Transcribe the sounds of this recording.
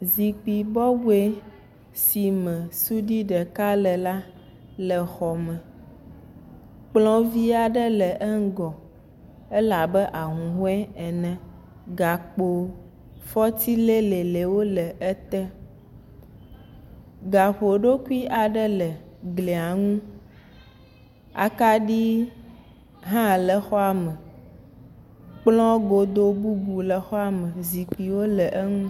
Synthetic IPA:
zi˨k͡pi˨bɔ˦wu˦e˦ | si˨mɛ̃˨su˦ɖi˦ɖɛ˨ka˦lɛ˨la˦ | lɛ˨xɔ˨mɛ̃˨ | k͡plɔ̃˦vi˦a˨ɖɛ˦lɛ˨ʔɛ˦ŋ˦ɡɔ˨ | ɛ˦la˨bɛ˦ʔa˨ɦũ˨ɦo˦ɛ˦ɛ˨nɛ̃˨ | ɡa˨k͡po˨ | fɔ˦t̪i˦le˦le˨le˨wo˦lɛ˨ɛ˦t̪ɛ˦ | ɡa˨ɸo˨ɖo˦ku˦i˦ʔa˨ɖɛ˦lɛ˨ɡle˨a˨ŋũ˦ | a̰˨ka˦ɖi˦ | ɦã˦lɛ˨xɔ˦a˨mə˨ | k͡plɔ̃˦ɡo˨d̪o˦bu˦bu˨lɛ˨xɔ˦a˦mə̃˨zi˨k͡pi˨wo˦lɛ˨ʔe˦ŋũ˦

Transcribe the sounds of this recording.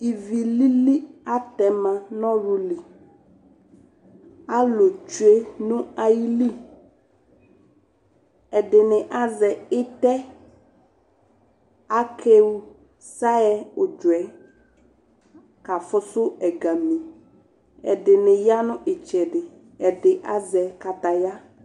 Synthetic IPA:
i˨vi˨li˦li˦a˦tɛ˨mã˨nɔ̃˦ɾu˦li˨ | a˦lo˨t͡ʃu˦e˦nʊ̃˦a˨ji˦li˦ | ɛ˨dɪ˨nɪ̃˨ʔa˦zɛ˨ɪ˦t̪ɛ˦ | a˦kʰe˦wu˦ | sa˦ɛ˦ʊ˨d͡ʒʊ˨ɛ˨ | ka˨fʊ˦sʊ˦ɛ˨ɡa˨mĩ˨ | ɛ̰˨dɪ˨nɪ̃˨ja˦nʊ̃˦ʔɪ˨t͡ʃɛ˨dɪ˨ | ɛ˨dɪ˨ʔa˦zɛ˨ka˨t̪a˨ja˦

